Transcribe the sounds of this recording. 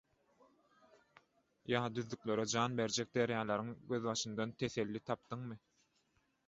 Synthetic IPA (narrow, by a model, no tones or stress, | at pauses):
jɑːd̪yðːyklʲø̞ɾed͡ʒɑːnbe̞ɾd͡ʒek̚d̪eɾjɑːlˠɑɾɯŋɡø̞ðβɑʃɯnd̪ɑnt̪ʰe̞θe̞lːit̪ʰɑp̚d̪̥ɯŋmɯ